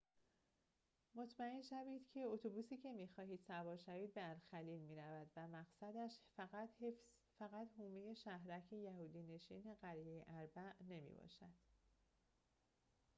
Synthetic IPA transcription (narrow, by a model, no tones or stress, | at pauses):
mo̞t̪ʰmæenʃæviːd̪̥cʰe̞ot̪ʰobuːsiːcʰe̞miːxɒːɦiːd̪̥sæbɒːʃæviːd̪̚beæɾxæliːlmiːɾævæd̪væmæɣsæd̪æʃfæɣæd̪hefz | fæɣæt̪huːmeje̞ʃæɦɾæcʰe̞jæhuːd̪iːne̞ʃiːne̞ɢæɾijejeʔæɾbæʔne̞mḭːbɒ̰ːʃæd̪̥